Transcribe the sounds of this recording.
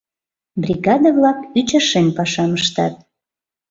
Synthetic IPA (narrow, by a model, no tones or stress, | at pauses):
brʲiɡɑd̪əβlɑkyt͡ɕəʃenpɑʃɑməʃt̪ɑ̰t̪̚